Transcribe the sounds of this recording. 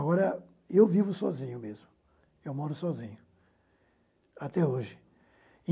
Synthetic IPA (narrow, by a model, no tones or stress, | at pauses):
ɣɔɾɐ | ewvivʊsɔzĩɲʊmezmʊ | ewmɔɾʊsɔzĩɲʊ | at̪ɛoʒɪ